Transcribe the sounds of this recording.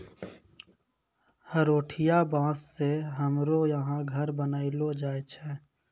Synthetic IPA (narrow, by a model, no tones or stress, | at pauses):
həɾoːʈʰɪjabãːsːeɦəmɾojəɦãɡʱəɾbənaːiloːd͡ʒaːet͡ʃʰɛ̃ː